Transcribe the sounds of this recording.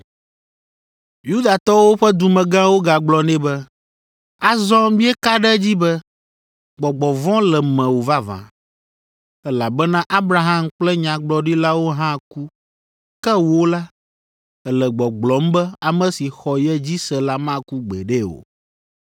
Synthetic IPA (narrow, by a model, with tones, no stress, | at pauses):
ju˦d̪a˨t̪ɔ˦wo˦ɸɛ˦d̪u˨mɛ̃˨ɡã˦wo˦ɡa˨ɡ͡blɔ˨nɛ̃˦bɛ˦ | a˦zɔ̃˦mĩ˦ɛ˦ka˦ɖɛ˦d͡ʑi˦bɛ˦ | ɡ͡bɔ˨ɡ͡bɔ˨vɔ̃˦lɛ˨mɛ̃˨wo˨va˦vã̰˨ | ɛ˦la˨bɛ˦nã˦ʔa˦bɾa˨ɦã˦mk͡plɛ˦ɲã˨ɡ͡blɔ˨ɖi˦la˦wo˦ɦã˦ku˦ | kɛ˦wo˦la˦ | ɛ˨lɛ˨ɡ͡bɔ˨ɡ͡blɔ˨˦m˦bɛ˦a˨mɛ̃˦si˨xɔ˨jɛ˦d͡ʑi˦sɛ˨la˦mã˦˨ku˦ɡ͡bɛ̰˨ɖɛ˦o̰˨